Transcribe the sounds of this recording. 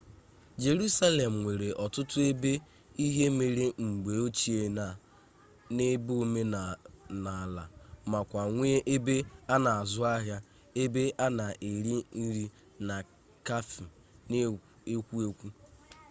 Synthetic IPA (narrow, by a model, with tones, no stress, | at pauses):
d͡ʒe˨ɾu˦sa˦le˨m̩˨ŋʷe˨ɾe˨ʔɔ˨tʊ˦tʊ˦e˦be˦ | i˦ɦe˦me˨ɾe˦ŋ͡m̩˨ɡ͡be˨o˦t͡ʃi˦e˨a˨ | ne˦bo˦me˦˨na˨la˨ma˨kʷa˨ŋʷ˦e˦ʔe˦be˦a˦na˨a˨zʊ˦a˦ɦja˦ | e˦be˦ʔa˦na˨ʔe˨ɾi˦n̩˦ɾi˦ | na˨ | ka˦fi˨ | n˦ | e˦kʷu˦e˦kʷu˦